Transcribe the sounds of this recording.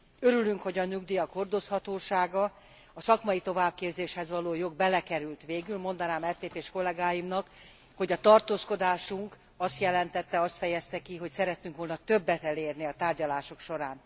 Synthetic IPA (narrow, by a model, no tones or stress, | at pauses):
ø̞ɾylyŋkho̞ɟɒnyɡd̪ijɒkho̞rd̪o̞shɒt̪oːʃaːɡɒ | ɒsɒkmɒjit̪o̞vaːb̚keːbzeːʃhɛzʋɒloːjo̞ɡ̚bɛlɛkɛɾylt̪ʋeːɡylmo̞nd̪ɒnaːmɛpeːpeːʃko̞lːɛɡaːjimnɒk | ho̞ɟɒt̪ɒrt̪oːsko̞d̪aːʃuŋk | ɒst̪jɛlɛnt̪ɛt̪ːɛɒst̪fɛjɛst̪ɛkiɦo̞csɛɾɛt̪ːyŋkʋo̞lnɒt̪øbːɛt̪ɛleːrniɒt̪aːrɟɒlaːʃokʃo̞ɾaːn